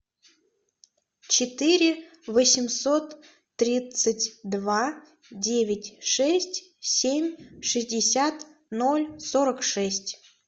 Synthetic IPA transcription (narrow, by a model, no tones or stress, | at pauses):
t͡ɕɪt̪ɨɾʲɪ | vosʲɪmsot̪ː | ɾʲit̪sətʲd̪va | dʲevʲɪtʲʂɛsʲtʲ | sʲemʲʂɨzʲdʲɪsʲat̪no̞lʲsoɾəkʂɛsʲtʲ